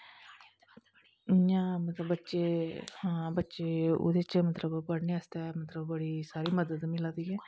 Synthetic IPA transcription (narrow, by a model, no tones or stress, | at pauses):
jãːmət̪ləbːətːʃeːhãːbətːʃeːo̰d̪eːt͡ʃmət̪ləbpəɽneːast̪ɛːmət̪ləbbəɽiːsaːɾiːməd̪əd̪mɪlãːd̪iːɛː